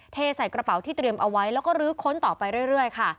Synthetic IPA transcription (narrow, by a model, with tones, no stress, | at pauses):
t̪ʰeː˧sa˨˩jkɾa˧pa˨˩˦wt̪ʰiː˥˩t̪ɾi˧əmʔa˧wa˦˥jlɛː˦˥wkɔː˥˩ɾɯː˦˥kʰo˦˥nt̪ɔː˨˩pa˧jɾu˥˩əjɾɯ˥˩əjkʰa˥˩